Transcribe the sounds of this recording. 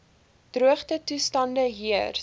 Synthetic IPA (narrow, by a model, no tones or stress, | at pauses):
d̥ruəχtətustɐndəɦiər